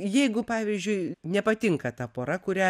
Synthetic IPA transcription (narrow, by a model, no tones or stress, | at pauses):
jɛɪɡʊpɑːʋʲiːzʲd͡ʒʲʊɪnʲɛpɐt̪ʲɪŋkɐt̪ɐpoːɾɐkʊɾʲæ